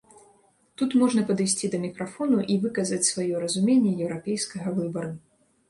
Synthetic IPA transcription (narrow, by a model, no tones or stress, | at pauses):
t̪ut̪mɔʐnɐpɐd̪ɨjsʲt͡sʲid̪ɐmʲikɾafɔnuʔivɨkɐzɐt͡sʲsvajɔɾɐzumʲenʲːɛjɛwɾapʲejskɐɣɐvɨbɐɾu